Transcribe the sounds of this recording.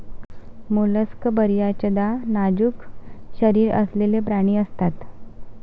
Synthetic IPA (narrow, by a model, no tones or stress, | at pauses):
muləskbəɾjat͡ɕəd̪anad͡ʑuːkɕəɾiːɾə̰slelepɾaɽ̃iːəst̪at̪